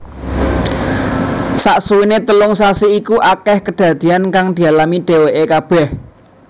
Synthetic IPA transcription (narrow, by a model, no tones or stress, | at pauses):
saʔsuwinet̪əlʊŋsasiikuʔakɛhkəɖ̪̥ä̤d̪̥i̤ankaŋd̪̥i̤alamiɖ̪̥e̤weʔekab̥ɛh